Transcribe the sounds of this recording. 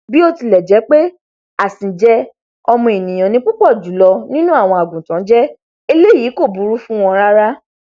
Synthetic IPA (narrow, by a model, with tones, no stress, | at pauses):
bi˦o˦˧ti˧lɛ˨d͡ʒɛ˨˦k͡pe˦ | a˦˨sĩ˨d͡ʒɛ˦ | ɔ˧mɔ̃˧e˨nĩ˨j̃ã˨nĩ˧˦k͡pu˦k͡pɔ˦˨d͡ʒu˨˦lɔ˧nĩ˦nũ˦a˦˨w̃ɔ̃˧a˨ɡũ˨tã˨˦d͡ʒɛ˦ | e˧le˦ji˨˦ko˦˨bu˨˦ɾu˦fũ˦w̃ɔ̃˧ɾa˦ɾa˦